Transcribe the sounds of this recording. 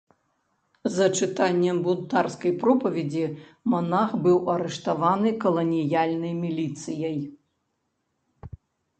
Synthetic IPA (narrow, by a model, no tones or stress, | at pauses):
zɐt͡ʂɨt̪anʲːɛmbunt̪arskɐjpɾɔpɐvʲɛd͡zʲimɔnaxbɨwɐɾɛʂt̪avanɨkɐlˠɐnʲijalʲnɐjmʲilʲit̪sɨjɐj